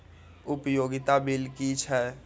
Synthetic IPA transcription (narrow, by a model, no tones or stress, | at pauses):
ʊpjoːɡɪt̪abɪlkit͡ʃʰɛː